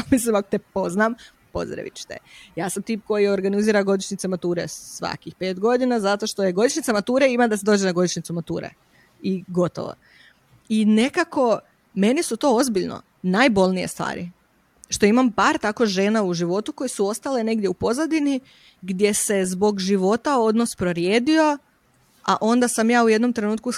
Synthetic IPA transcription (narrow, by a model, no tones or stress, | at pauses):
amis̬limakot̪epo̞znam | po̞̰zɾa̰ʋḭt͡ʃt̪ḛjaːsamt̪iːp̚ko̞jio̞ɾɡaniziːɾaɡo̞d̪iʃɲit̪emat̪uːɾesʋa̰kixpe̞ːt̪ɡo̞d̪inazat̪o̞ʃt̪o̞jeɡo̞d̪iʃnit̪samat̪uːɾeimad̪ased̪o̞ːd͡ʒenaɡo̞d̪iʃnit̪sumat̪ṵːɾḛ | iɡo̞t̪o̰ʋo̰ | ine̞kako̞ | me̞nisut̪o̞ːozbiʎno̰ | najbo̞lˠnijest̪ʋa̰ːɾḭ | ʃt̪o̞imampaːɾt̪ako̞ʒe̞ːnauʒiʋo̞t̪uko̞jesuo̞st̪ale̞ne̞ɡd̪ʲjeupo̞zad̪ini | ɡd̪je̞se̞zbo̞ɡʒiʋo̞t̪ao̞d̪nospɾoɾjeːd̪io̞ | aʔo̞nd̪asamjaːujed̪no̞mt̪ɾe̞nuːt̪̚ku